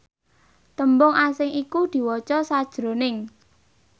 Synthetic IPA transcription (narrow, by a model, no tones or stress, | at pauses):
t̪əmbʊŋasɪŋikud̪̥i̤wɔt͡ʃɔsad̥ʒ̥ɾo̤nɪŋ